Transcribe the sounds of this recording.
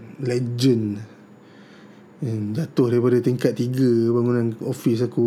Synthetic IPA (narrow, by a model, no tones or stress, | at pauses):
lɛd͡ʒən | andat̪ʊhdaɾipadat̪iŋkat̪̚ːiɡəbaŋunãnofis̬aku